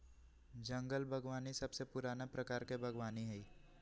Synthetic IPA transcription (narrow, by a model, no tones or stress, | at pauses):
d͡ʒɐ̃ŋɡəlbʱɐɡʋaːnisɐbsepʊɾaːnapɾɐkaːɾkebʱɐɡʋaːniɦɛiː